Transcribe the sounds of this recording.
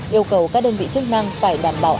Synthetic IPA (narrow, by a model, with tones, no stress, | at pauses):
ʔi˧əwkə˨˩wkaː˦˥k̚ɗəː˧nvḭ˧˨t͡ɕɨ˦˥k̚na˧ŋfaː˧˩jɗaː˧˩mɓaː˨˩wʔ